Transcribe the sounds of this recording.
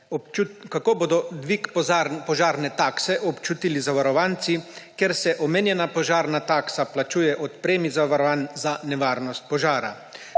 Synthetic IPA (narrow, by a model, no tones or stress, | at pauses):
ukakoːboːd̪ɔd̪ʋikpɔʒaːɾnɛt̪aksɛʔɔpt͡ʃut̪ilizaʋaɾɔʋant̪sikeɾsɛʔɔmeːnjɛnapɔʒaːɾnat̪aːksaplat͡ʃuːjɛʔɔt̪pɾeːmizaʋaɾɔʋanzanɛʋaːɾnɔst̪̚pɔʒaːɾa̰